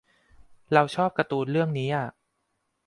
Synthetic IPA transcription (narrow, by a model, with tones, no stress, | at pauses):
ɾa˧wt͡ɕʰɔː˥˩p̚ka˧t̪uː˧nɾɯ˥˩əŋniː˦˥ʔa˨˩ʔ